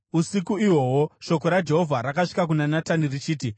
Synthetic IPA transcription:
usikuiwo̞woʃo̞ko̞ɾad͡ʒe̞ɦovʱaɾakaʂi̥kak̬unanatanirit͡ʃiːt̬i

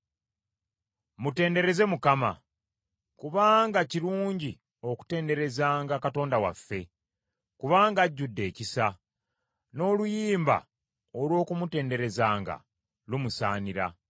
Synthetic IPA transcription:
mute̞ːnde̞ɾe̞ze̞mukama̰ | kuβaːŋɡaciɾuːɲɟi | o̞ku̥te̞ːnde̞ɾe̞zaːŋɡakato̞ːndawa̰fːe̞ | kuβaːŋɡaɟːudːe̞ːcisa | no̞ːlujiːmba̰ | olwo̞ːkumute̞ːnde̞ɾe̞zaːŋɡa̰ | lumusaːniɾa̰

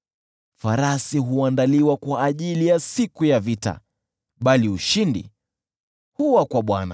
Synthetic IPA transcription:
faɾasiɦuandaliwakwaːʄilijasikujavita̰ | ɓaliuʃindḭ | huwakwaɓwana̰

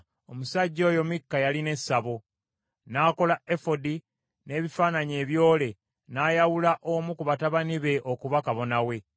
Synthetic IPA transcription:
o̞musaɟːo̞ːjo̞mikːajaline̞saβo̞ | naːko̞laefo̞di | ne̞ːβifaːnaɲe̞ːβjo̞ːle̞ | najawulaʔomukuβataβaniβe̞ʔo̞kuβakaβo̞nawe̞

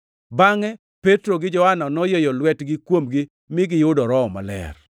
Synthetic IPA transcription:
baŋɛ | pɛtɾoɡɪd͡ʒɔhananɔjejɔlwɛtɡɪkwomɡɪ | mɪɡɪjʊdɔɾɔma̰lɛ̰r

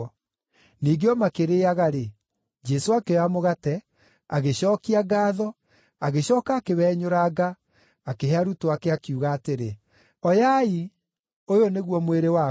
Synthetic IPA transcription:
niːɡeɔmakeɾeaɣaɾe | d͡ʒɛsoakeamoɣatɛ | aɣeɕɔːkiaɡaːðɔ | aɣeɕɔːkaːkewɛɲoɾaːɡa | akeɦeaɾutoakeakiuɣaːteɾe | ɔjai | ojoneɣwɔmweɾewa

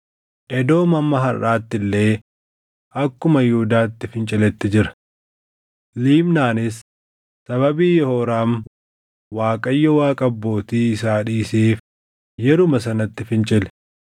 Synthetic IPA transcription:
ʔɛd̪o̞ːmɐmːɐɦɐrːaːt̪ːɪlːe̞ː | ʔɐkːʊmɐjʊːd̪aːt̪ːɪfɪnt͡ʃʼɪlɛt̪ːɪd͡ʒɪɾɐ̥ | liːmnaːnɪs | sɐβɐbiːjɔhoːɾaːm | waːkʼɐjːɐwaːkʼɐbːo̞ːt̪iːɪsaːᶑiːseːf | jɛɾʊmɐsɐnɐt̪ːɪfɪnt͡ʃʼɪlɛ̥

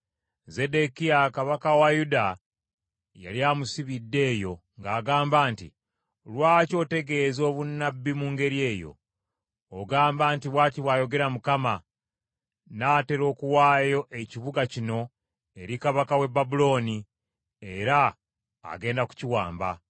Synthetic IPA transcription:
ze̞de̞kiakaβakawajuda | ja̰liamusiβidːe̞ːjo̞ŋɡaːɡaːmbaːntḭ | lwaːco̞te̞ɡe̞zo̞ːβunːabːimuːŋɡe̞ɾie̞ːjo̞̰ː | ɡaːmbaːntiβwaːtiβwaːjo̞ɡe̞ɾamukama | naːte̞ɾo̞ːkuwaːjo̞ʔe̞ciβuɡacino̞ | e̞ɾikaβakawe̞babulo̞ːni | e̞ɾa̰ː | ɡe̞ːndaku̥ciwaːmba̰

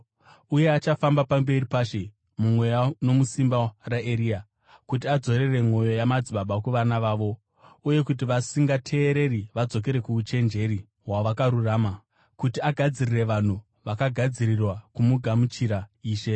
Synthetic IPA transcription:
uje̞at͡ʃafambapambe̞ripaːʃe̞ | mumwe̞jano̞musimbaraʔeɾia | kut̬iad͡zo̞ɾe̞re̞mo̞jo̞jamad͡ziɓaɓakuʋanaʋaːʋo̞ | uje̞kut̬iʋasiŋɡatʰe̞ːɾe̞riʋad͡zo̞k̬e̞ɾe̞kuut͡ʃe̞nd͡ʒe̞ɾi | waʋakaɾuraːma | kutiaɡʱad͡zirire̞ʋan̤u | ʋakaɡʱad͡ziɾirwakumuɡʱamut͡ʃiɾaiːʃe̞

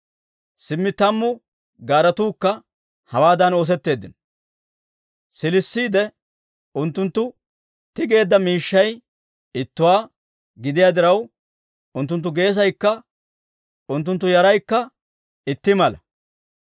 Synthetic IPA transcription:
sɪmːɪt̪ɐmːʊ | ɡaːɾɐt̪uːkːɐ | hɐwaːd̪ɐno̞ːs̬ɛt̪ːe̞ːd̪ːɪn | sɪlɪsːiːd̪ɛ | ʊnt̪ːʊnt̪ːʊ | t̪ɪɡe̞ːd̪ːɐmiːʃːɐj | ɪt̪ːʊwaː | ɡɪd̪ɪjaːd̪ɪɾɐw | ʊnt̪ːʊnt̪̬ːʊɡe̞ːs̬ɐjkːɐ | ʊnt̪̬ːʊnt̪̬ːʊjɐɾɐjkːɐ | ɪt̪ːɪmɐlɐ

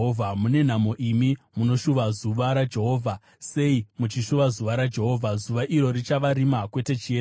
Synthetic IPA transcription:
vʱamune̞n̤amo̞ʔimimuno̞ʃuʋazuʋaɾad͡ʒe̞ɦo̞ːvʱa | se̞imut͡ʃiʃuʋazuʋaɾad͡ʒe̞ɦo̞ːvʱazuʋaʔiɾo̞rit͡ʃaʋaɾimakwe̞te̞t͡ʃie

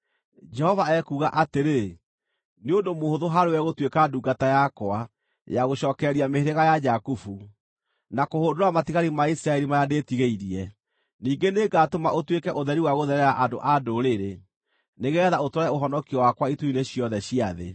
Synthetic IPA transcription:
d͡ʒɛhɔvaɛkuːɣaʔateɾe | neondomohoðoɦaɾeɛɣotwekaduːɡatajakwa | jaɣoɕɔːkɛɾiameheɾeɣajad͡ʒakufu | nakohoːndoɾamatiɣaɾimaisɾaɛɾimajandetiɣeiɾiɛ | niːŋɡeneɡatomaʔotwekɛʔoðɛɾiwaɣoðɛɾɛɾaʔadoʔadoɾeɾe | neɣɛðaotwɔɾɛoɦɔnɔkiɔwakwaituineɕiɔðɛɕiaðḛ

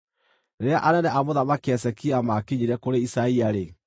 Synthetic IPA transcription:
neɾeaʔanɛnɛʔamoðamakeɛsɛkiamakiɲiɾɛkoɾeisaiaɾe

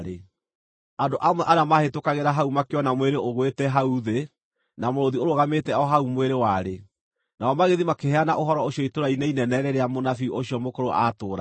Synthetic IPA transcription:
ɾe | andoʔamwɛʔaɾeamahetokaɣeɾaɦaumakeɔnamweɾeoɣwetɛɦauðe | namoɾoðioɾoɣametɛɔɦaumweɾewaɾe | naɔmaɣeðimakehɛanaʔoɦɔɾɔoɕiɔitoɾaineinɛnɛɾɛɾeamonafioɕjɔmokoɾoʔatoːɾa

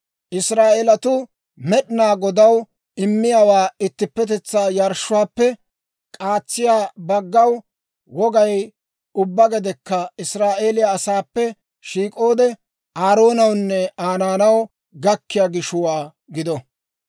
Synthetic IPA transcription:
ʔɪsɾaːʔeːlɐt̪ʊ | mɛɗɪnaːɡɔd̪ɐw | ɪmːɪjaːwaːɪt̪ːɪpːɛt̪ɛt͡sːaːjɐɾʃʊwaːpːɛ | kʼaːt͡sːɪjaːbɐɡːɐw | wɔɡɐj | ʊbːɐɡɛd̪ɛkːɐɪsɾaːʔe̞ːlɪjaːsaːpːɛ | ʃiːkʼoːd̪ɛ | aːɾo̞ːnɐwnːɛaːnaːnɐw | ɡɐkːɪjaɡɪʃʊwaː | ɡɪd̪ɔ

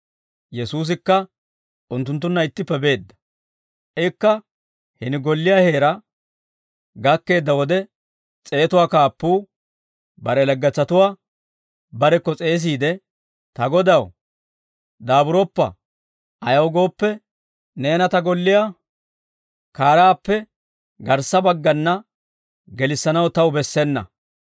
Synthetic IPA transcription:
jɛsuːs̬ɪkːɐ | ʊnt̪ːʊnt̪̬ːʊnːɐɪt̪ːɪpːɛbe̞ːd̪ːɐ̥ | ʔɪkːɐ | hɪnɪɡɔlːɪjahe̞ːɾɐ | ɡɐkːe̞ːd̪ːɐwɔd̪ɛ | t͡sʼe̞ːt̪ʊwaːkaːpːuː | bɐɾɛlɐɡːɐt͡sːɐt̪ʊwaː | bɐɾɛkːɔt͡sʼe̞ːs̬iːd̪ɛ | t̪ɐɡɔd̪ɐw | d̪aːbʊɾɔpːɐ̰ | ɐjɐwɡo̞ːpːɛ | ne̞ːnɐt̪ɐɡɔlːɪjaː | kaːɾaːpːɛ | ɡɐɾsːɐbɐɡːɐnːɐ | ɡɛlɪsːɐnɐwt̪ɐwbɛsːɛnːɐ̰

